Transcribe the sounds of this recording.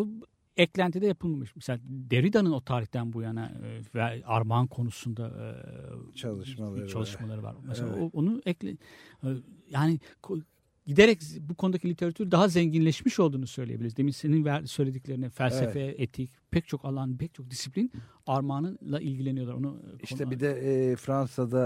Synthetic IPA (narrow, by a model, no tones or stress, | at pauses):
o | ɛclʲænt̪ʰid̪ɛjapʰɯlˠmamɯʃmɛselʲad̪eɾid̪anɯno̞t̪ʰaːɾiçtd̪ænbujana̰væaɾmankʰo̞nusund̪a̰ | t͡ʃʰalˠɯʃmalˠaɾɯva̰ɾmɛsela̰oonuɛc | jaːnikʰo | ɟid̪eɾɛcbukʰo̞nud̪acʰilʲit̪ʰe̞ɾat̪ʰyɾd̪aɦazɛɲɟinlʲɛʃmiʃo̞lˠd̪uːnusø̞jlʲḛjebilʲiɾzd̪eminse̞ninvæɾsø̞jlʲe̞d̪icʲlʲe̞ɾinifælʲsefeet̪ʰicpʰɛc̚t͡ʃʰo̞kalˠanpʰɛc̚t͡ʃʰo̞k̚d̪isiplʲin | aɾmaːnɯlˠaʔilʲɟilʲenijo̞lˠaɾonuʃoɛbid̪ɛfɾansad̪a